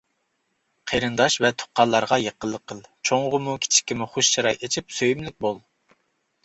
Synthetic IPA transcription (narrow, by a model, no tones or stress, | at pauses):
qʰeɾɨnd̪ɑʃvɛt̪ʰo̥qːɑnlˠːɑɾʁɑjeqʰəlˠːəqʰəlˠt͡ʃʰoŋʁəmukʲʰi̥t͡ʃʰi̥kʲimʊχoʃt͡ʃɑɾɑjet͡ʃʰipsøjymlɪk̚ʲbolˠ